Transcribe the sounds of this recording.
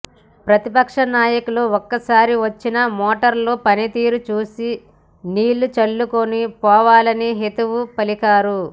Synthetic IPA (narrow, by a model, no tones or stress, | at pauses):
pɾɐt̪ipɐkʂɐnaːjɐkuloɔkːɐsaːɾiʋɐt͡ʃːinɐmɔːʈɐɾlo̞ːpɐnit̪iːɾut͡ʃuːsi | niːlːut͡ʃɐɭːukonipɔːʋaːlɐniɦet̪uʋupɐlikaːɾu